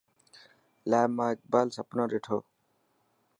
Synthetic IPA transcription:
laːmak̚balsɐpnoɾeʈʰo

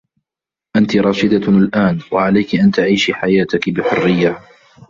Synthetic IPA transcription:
ʔant̪ɪɾˤɑːʃɪd̪alʔaːnwaʕalajkɪʔant̪aʕiːʃħajaːt̪ɪkbɪħʊrːɪjːa

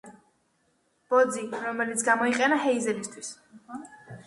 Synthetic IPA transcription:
b̥ɔd̪ziɾɔmɛlit̪sʰɡamɔiqʼɛnaɦɛizɛlist̪ʰwis

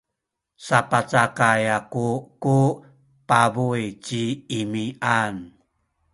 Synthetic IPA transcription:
sapat͡sakajakuku | pabujt͡ɕiːmiʔan

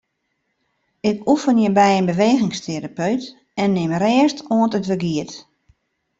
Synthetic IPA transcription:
ɪkufənjəbɛjənbəʋeːɣɪŋstʰeɾapøɥt | ɛnːɪmrɛːəstuəntətʋəɡiət

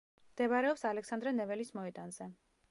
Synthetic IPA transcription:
md̪̥ɛvaɾɛɔpsalɛksand̪ɾɛnɛvɛlismɔɛt̪ʼanz̥ɛ

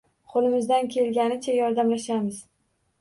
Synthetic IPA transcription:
qʰolˠɪmɪzd̪ankʲʰelɡʲanɪt͡ʃʰajɒɾd̪amlaʃamɪz̥

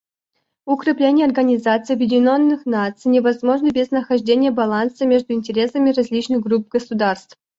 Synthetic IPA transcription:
ʊkɾʲɪplʲenʲɪjəɐrɡənʲɪzat̪sɨjɐbjɪdʲɪnʲonːɨxnat̪sɨjnʲɪvɐzmo̞ʐnəbʲeznəxɐʐdʲenʲɪjəbɐlˠansəmʲeʐd̪ʊɪnʲtʲɪɾʲe̞səmʲɪrɐzʲlʲit͡ɕnɨxɡrup̚ɡəsud̪arst̪f

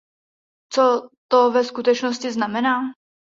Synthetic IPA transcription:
t͡sot̪ovɛskut̪ɛt͡ʃnoscɪznamɛnaː

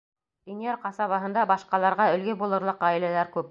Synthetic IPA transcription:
d̪̥inijeɾqɑsɑβɑɦɤ̆nd̪ɑbɑʃqɑlˠɑɾʁɑɵ̆lɡɘbulˠɤ̆ɾlˠɤqɑɘ̆lælæɾkʉp̚

